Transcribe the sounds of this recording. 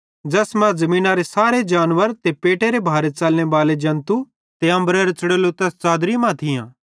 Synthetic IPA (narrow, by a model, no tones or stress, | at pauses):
d͡ʒɐsmɛ̃zɐmĩːnaɾesaːɾed͡ʒaːnʋəɾt̪epeːʈeɾebʱaːɾet͡sɐlñeʋaːled͡ʒɐ̃nt̪u | t̪eɐ̃mbɾeɾet͡sɐɽeːlot̪ɐst͡saːd̪ɾimãt̪ʰɪjãː